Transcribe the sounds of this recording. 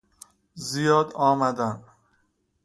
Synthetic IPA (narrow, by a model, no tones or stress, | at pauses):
zijɒːd̪ɒːmæd̪æm